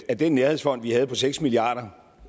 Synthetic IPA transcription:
æɐd̥enːæɐhe̝ðˠsfɒ̽n̰d̥ʋihæð̞̩ˠpʰɒ̽seɡ̥smiliɑ̈ːɾ̥ɐ

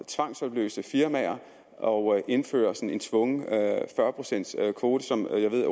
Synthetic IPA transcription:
t͡sʰʋɑ̈ŋ̰sɒ̽b̥lø̰ːsəfiɐmæɐ | ʔɒʊʔe̝nfø̰ːɐsɒ̽n̩e̝nt͡sʰʋɔ̽ŋəfɶɐpʰʁo̝sen̰d̥skʰʋo̝ːɾ̥əsɒ̽mjɑɪʋe̝ð̰ˠ

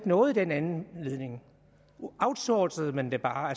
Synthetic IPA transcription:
ɡ̥nɔ̽ːð̩ˠd̥enænn̩le̝ð̞ˠne̝ŋ | ɑ̈ʊd̥sɔːsəð̩ˠmend̥e̝b̥ɑ̈ːæ

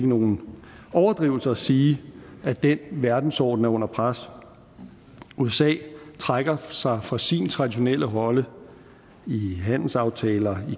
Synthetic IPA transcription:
ɡ̥əno̝ːn̩ɒʊɐd̥ʁiːʊl̩sɐːsiːæd̥enʋæɐd̥n̩sɒ̰ːd̥n̩æɐɔ̽n̰ɐpʰʁas | uesɛ̰ːt͡sʰʁaɡ̥ɐsɑ̈ɪfʁɑ̈sint͡sʰʁɑ̈d̥iɕo̝nel̰əɦɒ̽lə | iɦæn̰l̩sɑ̈ʊt͡sʰɛːlɐi

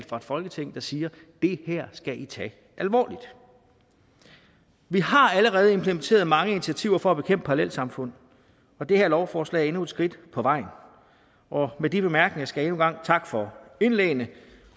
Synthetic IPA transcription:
l̥fɑ̈e̝d̥fɒ̽lɡ̥ət͡sʰeŋ̰d̥ɑ̈siːɐ | d̥e̝hæɐ̰sɡ̥æʔit͡sʰɛ̰ː | ʔælʋɒ̰ːlid̥ | ʋihɑ̈æləʁɛːð̞̩ˠe̝mpʰləment͡sʰe̝̰ːɐðˠmɑ̈ŋəinit͡sʰiæt͡sʰiʊɐfɒ̽ːb̥e̝kʰem̰b̥pʰɑ̈ɑlel̰sɑ̈mfɔ̽n̰ | ɒ̽d̥e̝hæɐlɒʊfɒːslɛ̰ːæɐe̝nued̥sɡ̥ʁid̥pʰɒ̽ʋɑ̈ɪ̰n | ʔɒ̽medib̥e̝mæɐɡ̥ne̝ŋɐsɡ̥æje̝nuɡ̥ɑ̈ŋ̰t͡sʰɑ̈ɡ̥fɒ̽e̝nleːnə

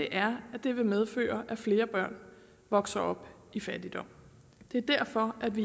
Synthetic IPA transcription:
d̥e̝ʔæɐæd̥e̝ʋe̝með̞ˠfø̰ːɐʔæfle̝ːɐb̥ɶɐ̰n | ʋɒ̽ɡ̥sɐʔɒ̽b̥ | ifæd̥id̥ɒ̽m̰ | d̥e̝æɐd̥æɐ̰fɒ̽ʔæd̥ʋi

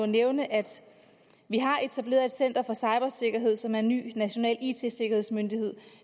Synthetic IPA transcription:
neʊnəʔæd̥ | ʋiɦɑ̈ʔe̝t͡sʰæb̥le̝̰ːɐðˠed̥sen̰d̥ɐfɒ̽sɑ̈ɪb̥ɐse̝ɡ̥ɐɦe̝ð̰ˠsɒ̽mæɐenːy̰ːnæɕo̝nɛ̰ːlḭːt͡sʰe̝se̝ɡ̥ɐhe̝ð̞̰ˠsmønd̥ihe̝ð̞̰ˠ

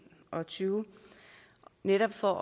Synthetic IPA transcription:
ʔɒ̽t͡sʰyːʊ | neɾ̥ɒ̽b̥fɒ

